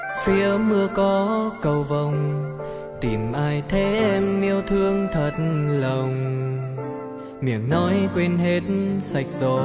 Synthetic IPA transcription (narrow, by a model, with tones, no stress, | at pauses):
fi˨˦əmɨ˧əkɔ˨˦kə˨˩wvə˧˩wŋ͡m | t̪i˨˩mʔaː˧jt̪ʰe˨˦ʔɛ˧mːi˧əwt̪ʰɨ˧əŋt̪ʰə˨˩t̚lə˨˩wŋ͡m | mḭ˧˩əŋnɔ˨˦jkwe˧nɦe˨˦˥t̚sa˨˩jk̟̚zo˨˩